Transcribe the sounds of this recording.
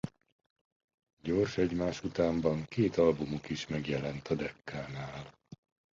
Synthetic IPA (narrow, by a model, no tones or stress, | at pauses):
ɟorʃɛɟmaːʃut̪aːmbɒŋkeːt̪ɒlbumukiʃmɛɡjɛlɛnt̪ɒd̪ɛkːaːnaːl